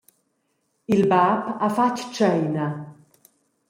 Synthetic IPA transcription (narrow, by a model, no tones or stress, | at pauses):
ɪlbaːpɐfɐt̪ːt͡ʃɛjnɐ